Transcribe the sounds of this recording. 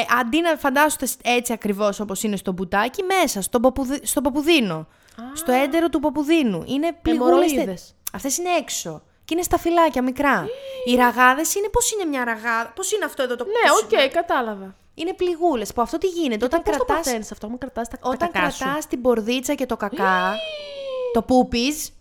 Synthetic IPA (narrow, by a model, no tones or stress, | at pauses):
ʔɐnd̪inɐfɐnd̪ɐsot̪ese̞t͡siɐkɾivo̞so̞po̞sine̞st̪o̞but̪ɐcime̞sɐst̪o̞bopuðist̪o̞po̞puðino̞ | st̪o̞end̪e̞ɾo̞t̪upo̞puðinuʔine̞pliuleses | ɐft̪e̞sineekso̞ | cine̞st̪ɐfilɐcɐmikɾɐiɾɐɣɐðe̞sine̞po̞sine̞mɲɐɾɐɣɐðɐpo̞sineɐft̪o̞e̞ðot̪oneocejkɐt̪ɐlɐvɐ | ine̞pliɣule̞spuɐft̪o̞t̪iʝine̞t̪eot̪ɐŋkɾsɐt̪ɐsenisɐft̪oɐkɾɐt̪ɐst̪ɐo̞t̪ɐɐŋkɾɐst̪ɐst̪ibo̞ɾðit͡sɐce̞t̪o̞kɐkɐ | t̪o̞pupis